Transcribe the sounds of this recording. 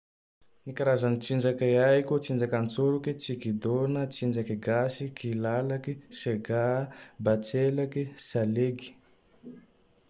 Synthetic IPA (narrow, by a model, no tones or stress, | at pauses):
nikaɾazanit͡sind͡ʒakaaikut͡sind͡ʒakant͡soɾukit͡sikid̪onət͡sind͡ʒakiɡasikʰilalakiseɡabat͡selakisaleɡi̥